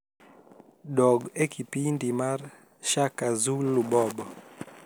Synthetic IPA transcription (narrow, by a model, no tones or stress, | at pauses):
dɔɡekʰipindimar | ʃakazulubɔbɔ